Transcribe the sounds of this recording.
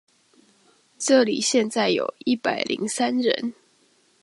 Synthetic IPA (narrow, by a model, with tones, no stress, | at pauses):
ʈ͡ʂɤ˥˨lḭ˨˩ɕjɛ˥˧nt͡sa˥˩ɪjo̰˨˩ʊi˥˩pa˨˩ɪlʔḭ˧˥ŋsa˦nɻə̰˧˦n